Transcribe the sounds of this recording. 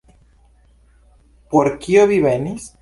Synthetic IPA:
poɾkioβiβenis

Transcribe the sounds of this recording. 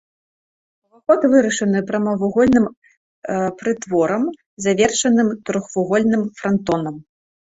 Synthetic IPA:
ɐvaxɔt̪vɨɾɐʂɐnɨpɾɐmɐvuɣɔlʲnɨm | pɾɨt̪vɔɾɐm | zavʲɛrʂɐnɨmt̪ɾɔxvuɣɔlʲnɨmfɾant̪ɔnɐm

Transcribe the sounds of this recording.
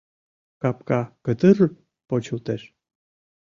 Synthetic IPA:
kɑpkɑkət̪ər | pot͡ɕult̪eʃ

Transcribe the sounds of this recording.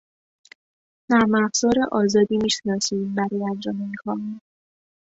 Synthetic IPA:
næɾmæfz̥ɒːɾeʔɒːzɒːd̪iːmiːʃenɒːsiːmbæɾɒːjænd͡ʒɒːmeikʰɒmi

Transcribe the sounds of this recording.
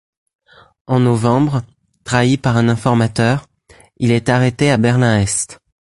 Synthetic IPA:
ɑ̃nɔvɑ̃bʁ | t̪χaipaʁɛ̃nɛ̃fɔʁmat̪œʁ | ilɛt̪aʁet̪eabɛʁlɛ̃ɛst̪

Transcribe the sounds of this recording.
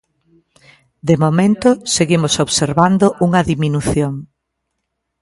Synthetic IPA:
d̪emomẽnt̪ʊseɣimʊsoβseɾβand̪ʊʔuŋɐðiminuθjoŋ

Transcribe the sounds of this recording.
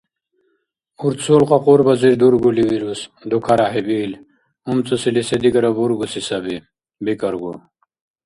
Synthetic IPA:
uɾt̪solqaqoɾbɐziɾd̪uɾɡuliwiɾusd̪ukʰaɾaɦebiːl | umt͡susilised̪ikɐɾɐbuɾɡusisɐbi | bikɐɾɡu

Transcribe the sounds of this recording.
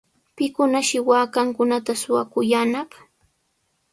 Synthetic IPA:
pɪkʊnaʃɪwaːkaŋkʊnat̪asʊwakʊjanɑχ

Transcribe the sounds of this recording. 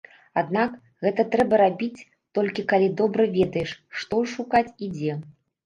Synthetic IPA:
ad̪nak | ɣɛt̪ɐt̪ɾɛbɐɾabʲit͡sʲ | t̪ɔlʲkʲikalʲid̪ɔbɾɐvʲɛd̪ɐjɛʂʂt̪ɔʂukat͡sʲid͡zʲɛ

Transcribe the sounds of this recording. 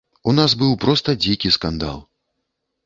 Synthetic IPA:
unazbɨwpɾɔst̪ɐd͡zʲikʲiskand̪a̰lˠ

